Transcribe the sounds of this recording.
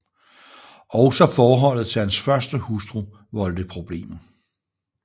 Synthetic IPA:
ʔɒʊsɒ̽fɒːɦɒ̽l̰ð̩ˠt͡sʰe̝ænsfɶɐsd̥əhusd̥ʁu | ʋɒ̽ld̥əpʰʁo̝b̥le̝̰ːm

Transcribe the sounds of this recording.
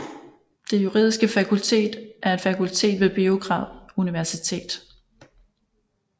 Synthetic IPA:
d̥e̝juʁḭːðˠisɡ̥əfækʰult͡sʰe̝̰ːd̥ʔæɐe̝d̥fækʰult͡sʰe̝̰ːd̥ʋe̝b̥ioɡ̥ʁɑ̈ʊ̰ðˠuniʋæɐsit͡sʰe̝̰ːd̥

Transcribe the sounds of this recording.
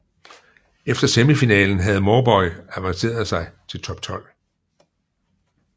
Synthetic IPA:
efd̥ɐseməfinɛ̰ːln̩ɦæð̞̩ˠmɒːb̥ɒ̽ɪæʋɑ̈ŋse̝̰ːɐðˠsɑ̈ɪt͡sʰe̝lt͡sʰɒ̽b̥̚t͡sʰɒ̽l̰

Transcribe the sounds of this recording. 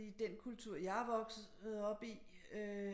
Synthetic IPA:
ḭd̥enkʰult͡sʰuɐ̰jɑ̈ʋɒ̽ɡ̥s̩ɒ̽b̥iø

